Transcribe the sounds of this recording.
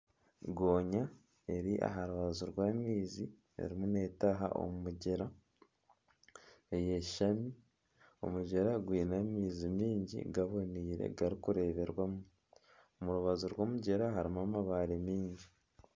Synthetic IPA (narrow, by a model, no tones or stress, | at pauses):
ɡo̞ːɲa | e̞ɾiʔa̰ɦaɾuβazuɾwaːmiːzi | e̞̰ɾimune̞ːtaɦa̰ʔo̞̰mumuɟeɾa | eje̞ʃami | o̞̰muɟeɾaɡwiːnamiːzimiːɲɟḭɡaβo̞niːɾḛɡaɾikuɾe̞ːβe̞ɾwamuu | omuɾuβazuɾwo̞ːmuɟeɾaɦaɾimamaβaːɾemiːɲɟi